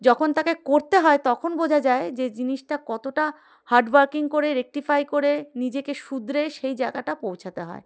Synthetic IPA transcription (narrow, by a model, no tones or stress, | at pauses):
d͡ʑɔkʰont̪akekoɾt̪eɦɔet̪ɔkʰonbod͡ʑʱad͡ʑaed͡ʑed͡ʑiniʃʈakɔt̪oʈa | haɾɖwaɾkiŋkoɾeɾek̚ʈifajkoɾenid͡ʑekeʃud̪ɾeʃejd͡ʑaeɡaʈapowt͡ɕʰat̪eɦɔ̰e